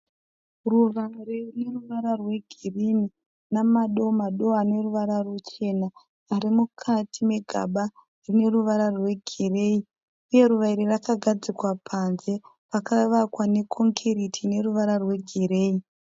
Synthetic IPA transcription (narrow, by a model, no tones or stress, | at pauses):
ruʋairirine̞ruʋaɾarwe̞ɡʱirini | namaɗo̞maɗo̞ane̞ruʋaɾarut͡ʃe̞naː | ɾimukʰatʰime̞ɡʱa̰ɓa | rine̞ruʋaɾarwe̞ɡʱire̞ːi | uje̞ɾuʋaiɾirakaɡʱad͡zikwapʰanze̞ | rakaʋakwane̞kʰo̞ŋkʰeɾitʰine̞ruʋaɾarwe̞ɡʱiɾe̞ːi